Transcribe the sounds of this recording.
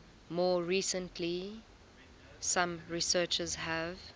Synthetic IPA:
mɔːɹiːsə̃ntʰli | sãmɹisɜːt͡ʃəzɦæv

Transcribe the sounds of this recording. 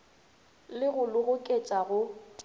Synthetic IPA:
lɪɣʊlʊɣʊkʼet͡ʃʼaɣʊ

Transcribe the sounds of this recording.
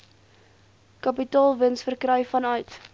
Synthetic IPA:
kɐpitɑːlˠvənsfərkrœjfɐnœɥt

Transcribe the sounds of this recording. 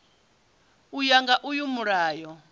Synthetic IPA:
ujaŋɡaʔujumuɾaːjɔ

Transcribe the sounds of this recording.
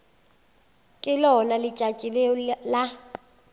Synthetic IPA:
kʼɪlɔnalɪt͡ʃʼḁt͡ʃʼilɛɔla

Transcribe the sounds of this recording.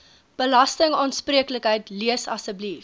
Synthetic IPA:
b̥əlɐstəŋɑːnspriəkləkɦəjtliəsɐsəblif

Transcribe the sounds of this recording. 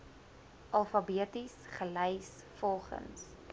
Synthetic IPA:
ʔɐlˠfɐbiətisχəlɛjs | fɔlˠχə̰ns

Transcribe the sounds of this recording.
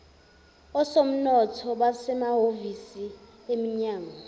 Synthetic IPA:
ɔsom̩nɔtʰɔɓasɛmaɦovisi | emiɲaːŋa

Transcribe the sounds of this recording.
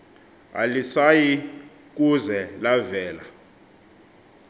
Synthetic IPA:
a̰lisaji | k̬uzɛlavɛːla

